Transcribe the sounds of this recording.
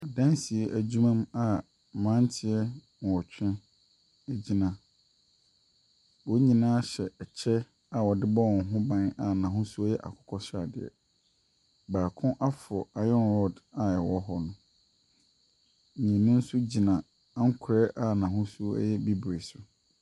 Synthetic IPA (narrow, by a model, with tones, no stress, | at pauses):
a˨dã˦nsi˨ɛ˦ʔæ˨d͡ʑu˦mã˦ma˦˨ | mã˦n˦tʰɪ˦ɛ˦ | n˨ɔ˨t͡ɕᶣɪ̃˦ | ɛ˦d͡ʑi˦nã˨ | wɔ˦ɲĩ˨nãː˦ɕɛ˨ɛ˨t͡ɕʰɛ˦ | a˨wɔ˨dɪ˦bɔ˦ɔ̃˨ŋ˨ɦʊ̃˦bã˦na˨nã˨ɦʊ̃˦su˦ɔ˦jɛ˦ʔa̰˨kʰʊ̥˦kʰɔ˦sa˨dɪ̰˨ɛ̰˨ | baː˨kʰʊ̃˦ʔa˦fɔ˨a˨jɔ̃˦nɾɔ˦da˨ɛ˨wɔ˦ɦɔ˦nʊ̃˦˨ | nʊ̃˦n̩˦sʊ˦d͡ʑi˨nã˨˦ | ŋ̩˦kʰʊ˨ɾɛ˦ʔa˨nã˨ɦʊ̃˦su˦ɛ̰˦jɛ˦bi˦bɾe˨sʊ˨